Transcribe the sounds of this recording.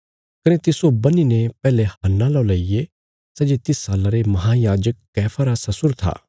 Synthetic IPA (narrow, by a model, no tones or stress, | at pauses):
kɐnet̪ɪsobɐninepɛːlehɐnːalɔlɐːije | sɛd͡ʒet̪ɪsaːlaɾemɐɦaːjaːd͡ʒəkːɛːpʰaɾasɐsʊɾt̪ʰa̰ː